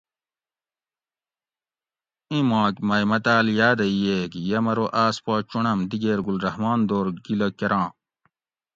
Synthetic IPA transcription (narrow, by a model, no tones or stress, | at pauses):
ĩmãːkmɐjmɐt̪aːljaːd̪ɐijekjɐmɐɾoʔaːspaːt͡ɕuɳɐmd̪iɡeːɾɡulɾɐɦmaːnd̪oːɾɡilɐkɐɾãː